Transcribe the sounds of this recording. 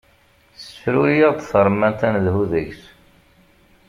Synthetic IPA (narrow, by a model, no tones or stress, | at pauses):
θfɾujəʁd̪θəɾˤmænt̪ænðhuðəçs